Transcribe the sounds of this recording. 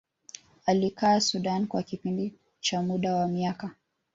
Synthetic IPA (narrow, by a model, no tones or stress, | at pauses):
alikaːsuɗankwakipindi | t͡ʃamuɗawamiaka